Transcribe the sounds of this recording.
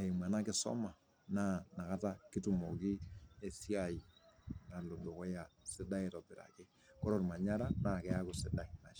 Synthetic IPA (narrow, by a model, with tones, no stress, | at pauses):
a˨i˨ma˨na˦kɪ˦sɔ̰˦ma˨ | na˦na˨ka˦ta˦kɪ˦tu˨mo˨ki˦e˨si˦a˨i˨na˨lo˨do˨kɔ˦ja˨sɪ˦da˦e˦tɔ˨pɪ˨ɾa̰˨kɪ˦ | kɔ˦ɾɔ˨ɾma˨ɲa˦ɾa˦na˨kɛ˨˦a˦kʊ˨sɪ˨da˨i˨na˨˦